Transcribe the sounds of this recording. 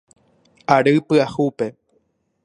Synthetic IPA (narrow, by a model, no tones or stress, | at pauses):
aɾɨpɨahupe